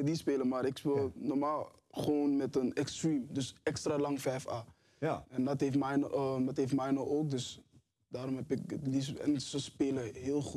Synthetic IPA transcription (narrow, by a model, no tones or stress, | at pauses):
dispeːləmaːɾɪkspeːlnɔrmaːlˠ | χəʋoːnmɛtənɛkstriːmdøsɛkstraːlɑŋfɛjfaː | ɛndɔtɦeːfmɛjndɑtɦeːftmɛjnɔoːk̚døs | daːɾɔmɦɛpɪk̚ədisɛ̰nsəspeːləɦɪːlˠχut